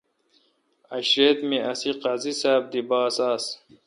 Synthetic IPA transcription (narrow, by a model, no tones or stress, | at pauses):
ɐɕɾeːd̪miʔɐsiqɑzisaːb̚d̪ibaːsaːs